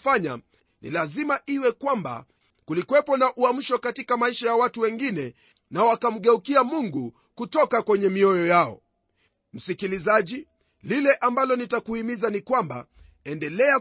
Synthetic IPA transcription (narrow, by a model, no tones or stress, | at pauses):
faɲa̰ | nḭlazimaʔiwɛkwamba̰ | kulikwɛpɔnaʔuam̩ʃɔkatikamaiʃajawatuwɛŋɡinɛ | nawakam̩ɠɛukiamuŋɡu | kutɔkakwɛɲɛmiɔjɔjaɔ̰ | m̩sikilizaʄi | lilɛʔambalɔnitakuhimizanikwamba̰ | ɛndɛlɛa